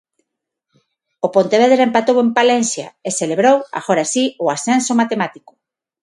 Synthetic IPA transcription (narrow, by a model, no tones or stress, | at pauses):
opont̪eβ̞eðɾempat̪owempalensja̰eseleβɾowa̰ɣoɾasiʊasensomat̪emat̪ikʊ̥